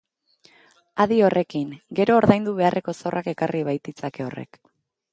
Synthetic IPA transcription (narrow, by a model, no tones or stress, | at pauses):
aðio̞rʔe̞kiŋɡe̞ɾo̞ːɾðajnd̪uβ̞e̞arʔe̞ko̞sawrʔake̞karʔiβ̞ajt̪it͡sake̞o̞re̞̰k